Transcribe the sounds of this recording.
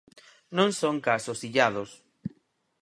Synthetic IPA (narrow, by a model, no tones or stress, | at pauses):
nõŋsõŋkasosiʎað̞os